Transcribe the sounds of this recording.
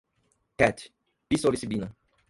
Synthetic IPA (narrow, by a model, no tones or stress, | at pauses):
kɛt̪ | bisoɾisibinɐ